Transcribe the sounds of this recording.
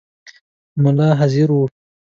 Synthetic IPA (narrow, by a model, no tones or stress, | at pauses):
mʊlɑɦaziɾu